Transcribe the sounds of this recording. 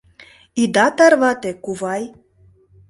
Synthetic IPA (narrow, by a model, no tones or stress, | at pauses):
id̪ɑt̪ɑɾβɑt̪ekuvɑj